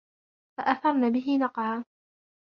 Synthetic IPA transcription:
faʔaθɑɾˤnaːbɪɦɪnɑqʕaː

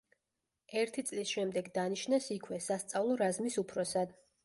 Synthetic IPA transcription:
ɛɾt̪ʰit̪sʼlisʃɛmd̪ɛɡd̪aniʃnasikʰwɛsast̪sʼavlˠɔɾazmisupʰɾɔsad̪

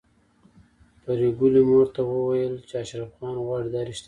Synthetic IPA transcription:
paɾeɡulemoɾt̪awəwajəlt͡ʃeaʃɾafɣɑnɣwɑɽid̪ɑɾiʃt̪a

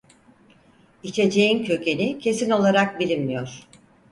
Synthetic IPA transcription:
it͡ʃʰe̞d͡ʒe̞jincʰø̞cʰe̞nicʰe̞sino̞lˠaɾak̚bilʲimmijoɾ̥

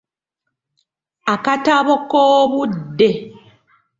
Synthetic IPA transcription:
akataβokoːβudːe̞

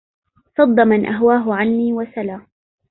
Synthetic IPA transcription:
sˤɑd̪ˤːɑmanʔaɦwaːɦʊʕanːiːwasalaː

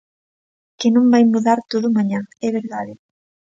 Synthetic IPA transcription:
kenõmbajmuðaɾt̪oðʊmaɲãɛβeɾðaðɪ

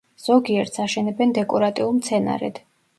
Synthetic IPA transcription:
z̥ɔɡiɛɾt̪saʃɛnɛbɛnd̪ɛkʼɔɾat̪ʼiulˠmt̪sʰɛna̰ɾɛ̰d̪̥

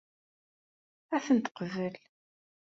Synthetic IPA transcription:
æθənt̪ə̥qvəl

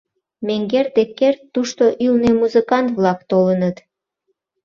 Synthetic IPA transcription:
meŋɡerd̪ekːert̪ːuʃt̪oʔylnemuzəkɑnt̪βlɑkt̪olənət̪

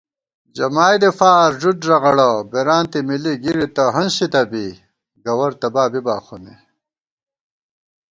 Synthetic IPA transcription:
d͡ʑɐmaːjd̪efaːɾʑudɾɐɣɐɽɐbeɾaːnt̪imiliɡiɾit̪ɐɦɐnɕit̪ɐbi | ɡɐwɐɾt̪ɐbaːbibaːxune

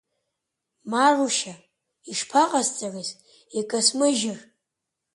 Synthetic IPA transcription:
maruʃa | iʂpʰaqʼast͡sʼariz | ekʼasmɨʒɪr

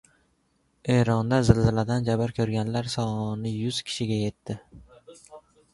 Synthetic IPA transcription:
e̞ɾɒnd̪azɪlːɪlad̪and͡ʒabɪɾkʲʰɵɾɡʲanlaɾsɒnɪjʊz̥kʲʰɪ̥ʃɪɡʲaje̞t̪ʰːɪ

